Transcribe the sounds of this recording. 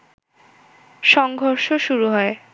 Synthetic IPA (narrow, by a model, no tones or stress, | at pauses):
ʃɔŋɡʱoɾʃoʃuɾuɦɔe